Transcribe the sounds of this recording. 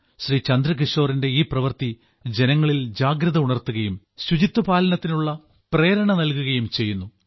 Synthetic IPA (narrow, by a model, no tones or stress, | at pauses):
ɕriːt͡ɕɐnd̪ɾɐkiʂo̞ːrinde̞iːprɐʋɐrt̪i | d͡ʑe̞nɐŋːɐɭild͡ʑaːɡɾɐðɐuɳɐrt̪ːuɣɐjum | ɕud͡ʑit̪ːɐpaːlɐnɐt̪ːinuɭːɐ | pre̞ːɾɐɳɐnɐlkuɣɐjumt͡ɕe̞jːunːu